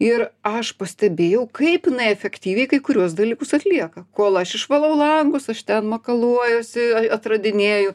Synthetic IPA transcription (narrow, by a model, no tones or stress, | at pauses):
ɪɾɐʃpɐsʲt̪ʲɛbʲeːjɛʊkɐɪpjɪnɐɪɛfʲɛkt̪ʲiːʋʲɛɪkɐɪkʊɾʲuɔsd̪ɐlʲiːkʊsɐt̪ʲlʲiɛkɐkoːlˠɐʃɪʃʋɐlˠɐʊlˠɐŋɡʊsɐʃt̪ʲɛnmoːkɐlˠuɔjʊsɪɐɐt̪rɐd̪ʲɪnʲeːjʊ